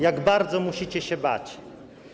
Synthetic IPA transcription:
jaɡbaɾd̪zɔmuɕit͡ɕɛɕɛba̰t͡ɕ

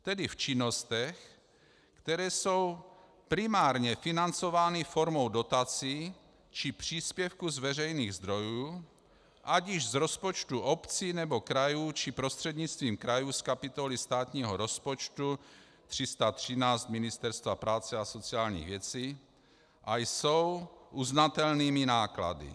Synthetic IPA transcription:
t̪ɛdift͡ʃɪnost̪ɛx | kt̪ɛɾɛːsow | pɾimaːɾɲɛfinant͡sovaːnifoɾmowdo̞t̪at͡si | t͡ʃɪpr̝̥iːspjɛfkuzvɛrɛjniːɣzd̪ɾo̞juː | ʔaɟɪʒzɾo̞spot͡ʃt̪uʔopt͡sinɛbokɾajuːt͡ʃipɾost̪r̥ɛd̪ɲit͡st̪viːmkɾajuːskapit̪olist̪aːt̪ɲiːɦoɾospot͡ʃt̪u | t̪r̝̥ist̪at̪r̝̥inaːt͡st̪minist̪ɛɾst̪vapɾaːt͡sɛasot͡siaːlɲḭɣvjɛt͡siː | ʔajsowʔuznat̪ɛlniːminaːkla̰dḭ

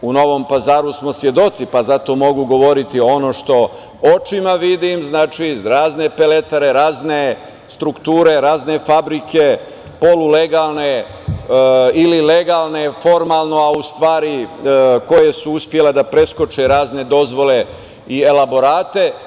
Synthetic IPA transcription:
uno̞ʋo̞ːmpazaːɾusmo̞sʋje̞d̪o̞t̪sipazat̪o̞mo̞ɡuɡo̞ʋo̞ɾit̪io̞no̞ːʃt̪o̞ | o̞t͡ʃimaʋid̪imznaːt͡ʃiɾaːzne̞pele̞t̪aɾe̞ɾaːzne | st̪ɾukt̪uːɾe̞ɾaːzne̞fabɾikʰe̞ | po̞lule̞ɡaːlˠne̞ | ilileɡalne̞fo̞ɾmaːlˠno̞aust̪ʋaːɾiko̞jesuuspje̞le̞d̪apɾe̞sko̞t͡ʃeɾaːzne̞d̪o̞zʋo̞le̞ | ielabo̞ɾaːt̪e̞

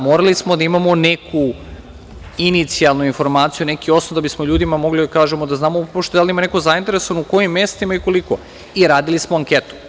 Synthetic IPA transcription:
moːɾalismod̪aimamo̞nekʰu | init̪sialˠnuinfo̞ɾmaːt̪sijune̞kio̞snod̪abismo̞ʎuːd̪imamo̞ɡlid̪akaːʒemod̪aznaːmopoʃt̪oj̪alimanekozaint̪e̞ɾesoanouko̞jimːje̞st̪imaiko̞liko̰ | iɾaːd̪ilismoaŋket̪u̥

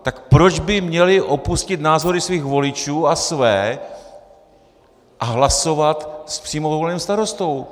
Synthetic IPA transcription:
t̪akpɾo̞d͡ʒbɪmɲɛlɪʔo̞puscɪt̪naːzo̞ɾɪsviːxvo̞lɪt͡ʃuːasvɛː | ʔaɦlaso̞vat̪spr̥iːmovolniwst̪aɾo̞st̪o̞w

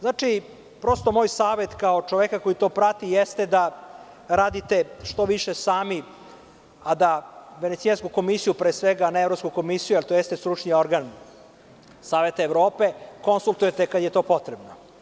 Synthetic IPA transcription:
znaːt͡ʃi | pɾo̞st̪o̞moːjsaːʋet̪kaot͡ʃoʋekakojit̪o̞ːpɾat̪ijest̪ed̪a | ɾaːd̪it̪eʃt̪o̞ʋiʃesaːmi | ad̪aʋe̞nesieskuko̞misijupɾeːsʋeɡaneevɾo̞pskuko̞misijujelt̪ojest̪est̪ɾut͡ʂnio̞ɾɡan | saːʋe̞t̪aeʋɾo̞ːpe̞ko̞nsulˠt̪ujet̪ekad̪jet̪o̞ːpo̞t̪ɾebno

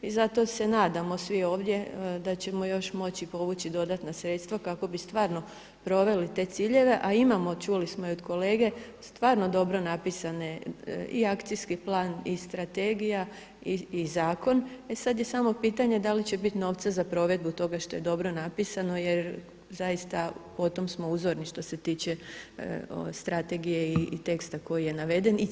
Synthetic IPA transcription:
izat̪o̞se̞naːd̪amo̞sʋio̞ːʋd̪je̞d̪at͡ɕe̞mo̞jo̞ʃmo̞t͡ɕipo̞ʋut͡ɕid̪o̞d̪at̪nasɾeːt̪st̪ʋakako̞bist̪ʋaːɾno | pɾo̞ʋe̞lit̪e̞ːt̪siːʎe̞ʋe̞ʔaimamo̞t͡ʃuːlismoiod̪ko̞leːɡe̞ | st̪ʋaːɾno̞d̪o̞bɾo̞napisane̞iakt̪siskiplˠaːnist̪ɾat̪eːɡija | iizaːko̞ne̞sad̪je̞samo̞piːt̪aɲe̞d̪alit͡ɕebit̪no̞ʋt̪sazapɾo̞ʋe̞d̪̚but̪o̞ɡaʃt̪o̞je̞d̪o̞bɾo̞napisano̞je̞ɾ | zajist̪apo̞t̪o̞msmo̞uːzoɾniʃt̪o̞se̞t̪iːt͡ɕe̞ | o̰st̪ɾat̪e̞ɡije̞it̪e̞kst̪ako̞jije̞naʋe̞d̪e̞ni

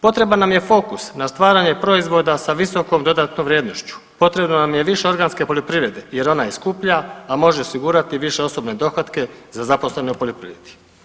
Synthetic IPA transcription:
po̞t̪ɾe̞banːamje̞fo̞kusnast̪ʋaːɾaɲe̞pɾo̞izʋo̞d̪asaʋiso̞ko̞md̪o̞d̪aːt̪nomʋɾjeːd̪no̞ʃt͡ɕu̥ | po̞t̪ɾe̞bnonamje̞ʋiʃeo̞ɾɡaːnske̞po̞ʎʲjopɾiːʋɾe̞d̪e̞je̞ɾo̞naiskuːpʎaːmo̞ʒeosiɡuːɾat̪iʋiʃe̞o̞so̞bne̞d̪o̞xat̪ke̞zazapo̞slˠe̞neupo̞ʎopɾḭʋɾed̪̥i

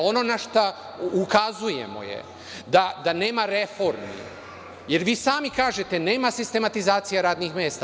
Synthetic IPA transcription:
o̞no̞naʃt̪a | ukazujḛmo̰jḛ | d̪ad̪ane̞ːmaɾe̞fo̞ɾmḭ | je̞ɾʋiːsaːmikaːʒe̞t̪e̞ne̞ːmasist̪e̞mat̪izaːt̪sijaɾaːd̪nixmjeːst̪a

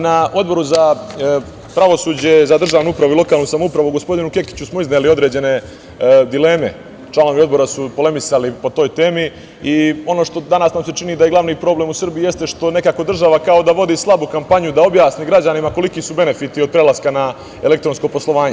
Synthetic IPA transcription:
naʔo̞d̪bo̞ɾuza | pɾaʋo̞suːd͡ʑe̞zad̪r̩ʒaːʋnuupɾaʋuilo̞kaːlˠnusamoupɾaʋoɡo̞spo̞d̪inuke̞ki̥t͡ɕusmoiznelio̞d̪ɾe̞ːd͡ʑe̞ne̞ | d̪ile̞ːme̞̰ | t͡ʃlˠano̞ʋio̞d̪bo̞ɾasupo̞le̞misalipo̞t̪o̞ːjt̪e̞ːmi | io̞noʃt̪o̞d̪anasnamse̞t͡ʃinid̪ajeɡlˠaʋniːpɾo̞ːblemusrbijije̞st̪e̞ʃt̪o̞ne̞kaːko̞d̪r̩ʒaʋakao̞d̪aʋo̞d̪islˠabukampaɲjud̪ao̞bjaːsniɡɾad͡ʑanimako̞likisube̞ne̞fit̪io̞d̪̚pɾe̞laskana | e̞le̞k̚t̪ɾo̞nsko̞po̞slˠo̞ʋaːɲe

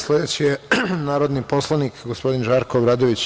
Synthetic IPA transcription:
sled̪et͡ɕijenaːɾod̪nipo̞slˠanikɡospo̞d̪inʒaɾkoːbɾaːd̪oʋit͡ɕ

